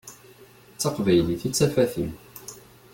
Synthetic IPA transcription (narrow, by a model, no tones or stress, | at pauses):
t͡sːɑqvæjliθit͡sːæfæθin